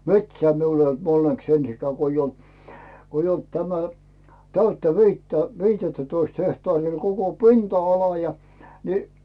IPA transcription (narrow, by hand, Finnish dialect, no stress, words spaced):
metsæː miul eij olt onːeks ensikæː ko ij olt koij olt tæmæ tæytːæ ʋiːtːæ ʋiːtetːætoist hehtɑːriː ol koko pintɑɑlɑ jɑ ni